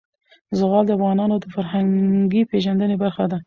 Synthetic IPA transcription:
zəɣɑld̪əafɣɑnɑnod̪əfaɾhaŋɡipeʒand̪ənebaɾxad̪a

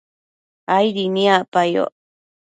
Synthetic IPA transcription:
ajɾinĩapajo̰

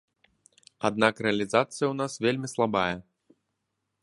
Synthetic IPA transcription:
a̰d̪nakɾɛɐlʲizat̪sɨjɐwnasvʲelʲmʲislˠabajɐ

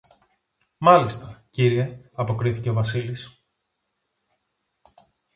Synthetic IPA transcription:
mɐlist̪ɐciɾie̞ɐpo̞kɾiθi̥ce̞ovɐsilis

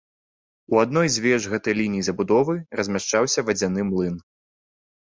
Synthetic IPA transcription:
uad̪nɔjzʲvʲɛʐɣɛt̪ɐjlʲinʲijizɐbud̪ɔvɨrɐzʲmʲaʂt͡ʂawsʲɐvɐd͡zʲanɨmlˠɨn

